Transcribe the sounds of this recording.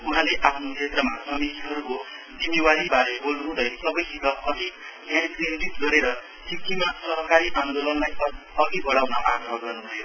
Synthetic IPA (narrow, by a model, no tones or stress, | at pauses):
uɦãleʔapʰnokʰet̪rɾʌmasʌmit̪iɦʌɾuko | d͡zimiwaɾibaɾebolnuɦũd̪ʌjsʌbʌjsikʌʌd̪i | tjãnkrinbit̪ɡʌɾeɾʌ | sʰikːimasʌɦʌkaɾiʔand̪olʌnlaj | ʌɡ̪ibʌɽawnʌʔa̰ɡɾʌɡʌrnũbʱʌjo